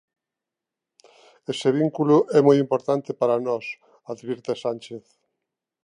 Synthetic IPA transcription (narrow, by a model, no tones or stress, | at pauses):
eseβ̞iŋkulʊʔɛmojimpoɾt̪ant̪epaɾanɔs | aðβiɾt̪esanʲt͡ʃeθ